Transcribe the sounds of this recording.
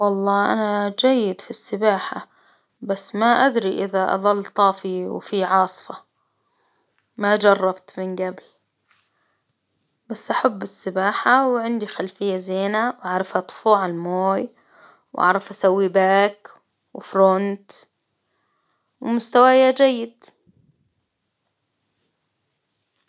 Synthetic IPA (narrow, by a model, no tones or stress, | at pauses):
wɑlˤːɑːʔa̰nad͡ʒajːɪd̪fisːɪbaːħa̰ | basːmaʔad̪ɾiʔɪðaʔɑ̰ðˤɑlːt̪ˤɑːfiwfiʕɑːsˤfɑ | mad͡ʒɑrˤːɑbt̪mɪnɡabl | b̥asːʔaħabːɪsːɪbaːħawʕɪnd̪ixalfɪjːazeːnawʔaʕɾˤɑfʔɑt̪ˤfuːʕalmoːj | wʔa̰ʕɾˤɑfʔasawːibaːk | wɪfɾont̪ | wɪmʊst̪awajad͡ʒajːɪd̪